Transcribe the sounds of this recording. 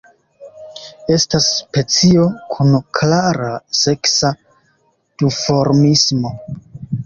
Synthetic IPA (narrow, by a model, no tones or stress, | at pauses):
e̞staspe̞t͡sio̞kʰunklaɾase̞ksa | d̥ufo̞ɾmismo̞